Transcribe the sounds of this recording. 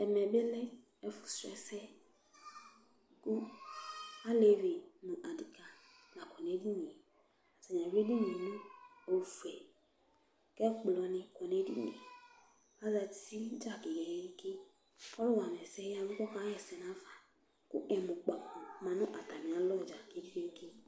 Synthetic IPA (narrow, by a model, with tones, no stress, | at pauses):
ɛ˨mɛ˨bɪ˦lɛ˦ | ɛ˨fʊ˨sɛ̰˦˨sɛ˦ | kʊ˦ | a˦le˨vi˨nʊ̃˨ʔa˨di˨ka˨ | na˨kɔ˨ne˦di˦ɲĩ˨ | a˨sa˨ɲ˨a˨ɾe˦di˦ɲi˨nʊ̃˦o˨fu˨ɛ˨ | kɛ˦k͡plɔ˧nɪ̃˧kɔ˨ne˦dḭ˦ɲ˦ḛ˨ | a˦za˧˨si˦d͡ʒa˦˨ke˨ɡɛ˨jɛ˦ŋ̩˦ke˦ | ɔ˦lʊ˦wa˨m˨ɛ˨sɛ˦a˦mũ˦kɔ˦ka˦ɛ˨sɛ˨na˨˦va˨ | kʊ̰˦ʔɛ˨mʊ˨k͡pa˨kɔ˨mã˨nʊ̃˦ʔa˨ta˨mĩ˨a˨˦lɔ˦˨d͡ʒa˨ke˨˦di˦ɡe˦ŋ˦ke˦